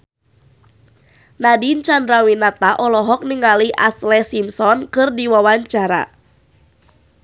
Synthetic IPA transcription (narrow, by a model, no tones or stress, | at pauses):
nadint͡ʃandɾawinat̪aʔɔlɔɦɔk̚niŋaliʔaslɛsimsɔnkɨrdiwawaɲt͡ʃaɾa̰